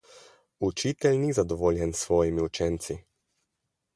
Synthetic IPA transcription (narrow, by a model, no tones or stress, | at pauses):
ut͡ʃiːt̪ɛlnizad̪ɔʋoːljɛnsʋɔːjimiut͡ʃɛnt̪si